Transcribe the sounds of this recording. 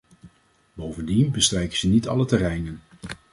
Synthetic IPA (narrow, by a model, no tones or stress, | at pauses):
bowvəndinbəstrɛjkəz̥ənitɑ̰lətɛrɛjnən